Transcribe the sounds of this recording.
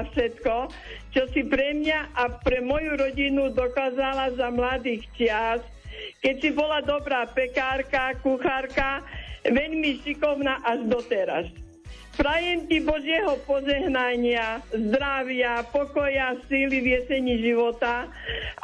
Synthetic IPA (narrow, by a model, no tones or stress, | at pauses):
afʃɛt̪kɔ | t͡ʃɔsipɾɛmɲaʔapɾɛmɔjuɾɔɟinud̪ɔkaːzalazamlad̪iːxt͡ʃɪas | kɛcsibɔlad̪ɔbɾaːpɛkaːɾkakuxaɾkaʋɛʎmiʃikɔʊnaːʔaʒd̪ɔt̪ɛɾa̰s | pɾajɛmcibɔʒɪɛɦɔpɔʒɛɦnaɲɪazd̪ɾaʋɪapɔkɔjasiːliʋɪjɛsɛɲiːʒiʋɔt̪a